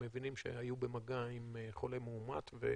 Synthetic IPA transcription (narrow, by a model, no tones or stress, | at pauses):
mevinimʃḛajubemaɡaimχole̞meuma̰t̪vḛ